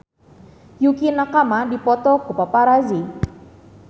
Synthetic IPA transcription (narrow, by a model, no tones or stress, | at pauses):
jukinakamadipɔt̪ɔkupapaɾazi